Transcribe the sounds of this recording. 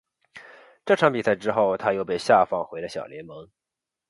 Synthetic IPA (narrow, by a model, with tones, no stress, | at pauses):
ʈ͡ʂɤ˥˩ʈ͡ʂʰɑ˧˥ŋpi˨˩sʰa˥ɪʈ͡ʂɻ̩˥xo˥˩ʊt̪ʰa˥jo˥˧ʊpe˥˧ɪɕja˥˧fɑ˥˩ŋxwe˧˥ɪlə˧ɕjɑ̰˨˩ʊljɛ˧˥nmɤ˧˥ŋ